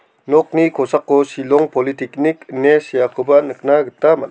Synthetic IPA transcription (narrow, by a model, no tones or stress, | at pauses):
nɔk̚nikʰosakːosilɔŋpɔlitikniknesijakʰɯbɐnɯk̚naɡɯtːama